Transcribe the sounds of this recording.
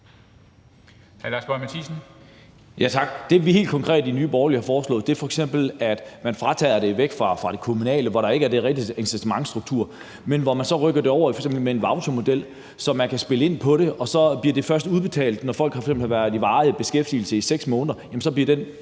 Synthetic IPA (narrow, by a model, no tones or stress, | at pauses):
hælɑsb̥ɒmæt͡sʰisn̩ | jæt͡sʰɑ̈ɡ̥d̥e̝ʋihe̝̰ːld̥kʰɒ̽ŋkʰʁɛ̰ːd̥inyːb̥ɒʊlihɑ̈fɒːslɔ̰̽ːð̩̥ˠe̝ɐfɒ̽eɡ̥sem̰b̥l̩æd̥mænfʁɑ̈t͡sʰɛ̰ːɐd̥e̝ʋeɡ̥fʁɑ̈fʁɑ̈ɾ̥ekʰomunɛ̰ːləʋɒɾɑ̈e̝ɡ̥əæɐd̥e̝ʁɛɡ̥d̥i̥ensisʰemɑ̈ŋsd̥ʁuɡ̥̚t͡sʰuɐ̰ | menʋɒmænsɒ̽ʁœɡ̥ɐd̥e̝ɒʊ̰ɐfɒ̥̽sem̰bl̩meenʋɑ̈ʊt͡sʰo̝mo̝d̥el̰ | sɒ̽mænkʰæsb̥e̝ləe̝n̰pʰɒ̽ɾe̝ʔɒ̽sɒ̽b̥liɐd̥e̝fɶɐsd̥uðˠb̥e̝t͡sʰɛ̰ːld̥nɒfɒ̽l̰ɡ̥hɑsemb̥l̩hɑʋæɐðˠiʋɑ̈ːð̩ˠb̥e̝sɡ̥efd̥il̩səiseɡ̥smɔːnðɐjæmnsɒ̽b̥liɐd̥en